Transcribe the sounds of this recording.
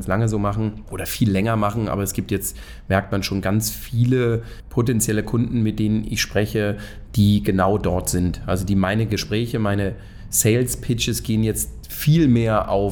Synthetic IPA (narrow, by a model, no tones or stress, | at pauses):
nslaŋəzoːmaχn̩ʔoːɾɐfiːlːɛŋɐmaχn̩ʔa̰ːbɐɛsɡ̥iːp̚tjɛt͡st | mɛɐk̚tmanʃoːnɡant͡sfiːlə | pʰotɛnt͡sjɛləkʰʊndn̩mɪt̚d̥eːnənɪ̰çʃpʁ̥ɛçə | d̥iːɡənaʊdɔɐtz̥ɪntʔa̰lzodiːmaɪnəɡəʃpʁ̥ɛːçəmaɪnə | sɛɪlspʰɪt͡ʃəsɡ̥eːənjɛt͡st | fiːlmeːɐʔa̰ʊ